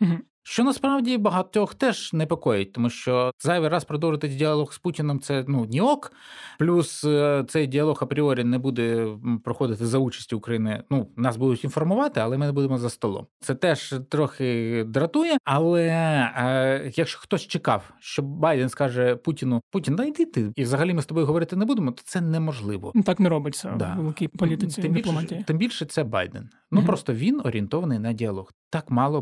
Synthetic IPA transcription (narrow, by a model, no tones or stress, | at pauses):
m̩ɦ̩ | ʃt͡ʃɔnɐspɾɑwdʲibɐɦɐt̪ʲɔxt̪ɛʒnɛpɔkɔjʊt̚ʲt̪ɔmuʃt͡ʃɔzɑjʋʲɪrɑspɾɔd̪ɔwʒɪt̪ɪsʲdʲiɐlˠɔɣsputʲɪnɔmt̪sɛnunʲiɔkplʲust̪sɛjdʲiɐlˠɔxɐpɾʲiɔɾʲinɛbud̪ɛpɾɔxɔd̪ɪt̪ɪzɐut͡ʃɐ̥sʲtʲiʊkɾɐjinɪnunɑsbud̪ʊtʲinfɔrmʊʋɑt̪ɪɐlˠɛmɪnebud̪emɔzɐst̪ɔlˠɔ̰mt̪sɛt̪ɛʒt̪ɾɔxɪd̪ɾɐt̪ujɛɐlˠɛ | jɐkʃt͡ʃɔ̥xt̪ɔsʲt͡ʃɪkɑ̰wʃt͡ʃɔbɑjd̪ɛnskɑʒɛputʲinʊputʲind̪ɐjd̪ɪt̪ɪiʋzɐɦɐlʲimɪst̪ɔbɔjɦɔʋɔɾɪt̪ɪnebud̪emɔt̪ɔ̥t̪sɛnɛmɔʒlˠɪʋɔ̰nt̪ɑknɛɾɔbɪt͡sʲɐd̪a̰lˠɐkʲipɔit̪ɪsʲɪmʲiplˠɔmatʲit̪ɪmbʲilʲʃɛt̪sɛbɑ̰jd̪ɛ̰n | nuppɾɔst̪ɔʋʲinɔɾʲint̪ɔʋɐnɪjnɐdʲiɐlˠɔɣt̪ɑkmɑlˠɔ